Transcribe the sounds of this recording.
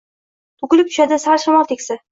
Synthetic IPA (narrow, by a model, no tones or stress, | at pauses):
t̪ʰʊkʲɪlɪp̚t̪ʰʊʃad̪ɪsaɾʃamɒlˠt̪ʰekʲsɪ